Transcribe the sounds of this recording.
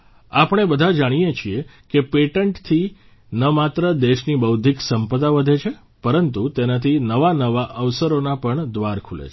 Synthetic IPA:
apəɳ̃ebəd̪ʱad͡ʒaɽ̃ijet͡ʃʰie | kepeʈəɳʈt̪ʰi | nəmat̪ɾəd̪eʃnibəwd̪ʱiksəmpəd̪aʋəd̪ʱet͡ʃʰe | pəɾənt̪ut̪enat̪ʰinəʋanəʋaʔəʋsəɾonapəɳd̪ʋaɾkʰulḛt͡ʃʰ

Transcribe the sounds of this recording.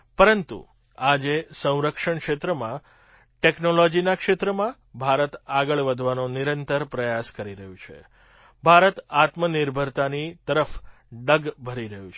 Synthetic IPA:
pəɾənt̪ṵ | ad͡ʒesə̃w̃ɾəkʂəɳkʂet̪ɾəmã | ʈeknolod͡ʒinakʃet̪ɾəmã | bʱaɾət̪aɡəɭʋəd̪ʱʋanoniɾənt̪əɾpɾəjaskəɾiɾəɦũt͡ʃʰḛ | bʱaɾət̪at̪məniɾbʱəɾt̪anit̪əɾəf | ɖəɡbʱəɾiɾəɦjũt͡ʃʰ

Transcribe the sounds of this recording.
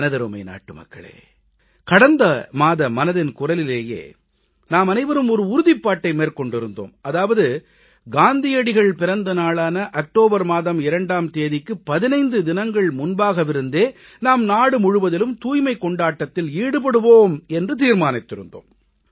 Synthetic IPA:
ɐnɐðɐɾoːmɐɪna̰ːʈːɯmɐ̰kːɐ̰ɭḛː | kɐɽɐnd̪ɐmaːðɐmɐnɐðɪnkʊrɐlɪleːjḛː | naːmɐnɐɪʋɐɾɯmɔɾɯʊɾʊðɪpːaːʈːɐɪmeːrkɔɳɖɪɾɯnd̪o̰ːmɐðaːʋɐðɯ | ɡaːnd̪ɪjɐɽɪɣɐɭpɪɾɐnd̪ɐnaːɭaːnɐʔɐk̚ʈoːbɐɾmaːðɐmɪɾɐɳɖaːmt̪eːðɪkːɯpɐðɪnɐɪnd̪ɯd̪ɪnɐŋɡɐɭmʊnbaːɣɐʋɪɾɯnd̪eː | naːmnaːɽɯmʊɻɯʋɐðɪlɯmt̪uːjmɐɪkːɔɳɖaːʈːɐt̪ːɪliːɽɯpɐɽɯʋoːmɛndrɯt̪̬iːɾmaːnɪt̪ːɪɾɯ̰nd̪o̰ːm

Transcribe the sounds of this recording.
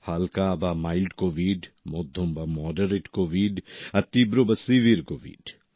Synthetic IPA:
halkabamailɖkoːʋiɖmod̪ʱːombamɔːɖɐɾeʈkoːʋiɖɐt̪ibɾobɐsiʋiɾkoʋḭɖ

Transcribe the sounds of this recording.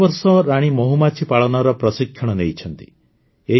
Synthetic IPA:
bɔɾsɔɾaɽ̃imɔɦumat͡ʃʰipaɭɔnɔɾɔpɾɔsikʰːjɔɽ̃ɔnejt͡ʃʰɔnt̪i̥ | e

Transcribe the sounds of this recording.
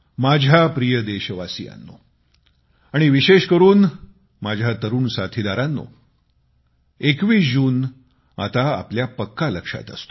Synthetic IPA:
mad͡ʑʱjapɾijəd̪eɕəʋasija̰nːo̰ | aɽ̃iʋiɕeɕkəɾuːn | mad͡ʑʱjat̪əɾuːnsat̪ʰid̪aɾanːo̰ | ekʋiːd͡ʑuːn | a̰t̪aa̰pljapəkːaləkʂa̰t̪ə̰st̪o̥

